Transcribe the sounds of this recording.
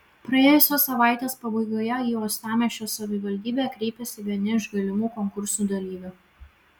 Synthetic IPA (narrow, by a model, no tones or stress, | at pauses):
pɾɐeːjʊsʲoːsɐʋɑˑɪt̪ʲeːspɐbɐɪɡoːjɛiːoːst̪ɑːmʲɛʃʲoːsɐʋʲɪʋɐlʲd̪ʲiːbʲeːkɾʲɛɪpʲɛsʲɪʋʲiɛnʲɪɪʒɡɐlʲɪmuːkɔŋkʊɾsuːˑd̪ɐlʲiːʋʲʊ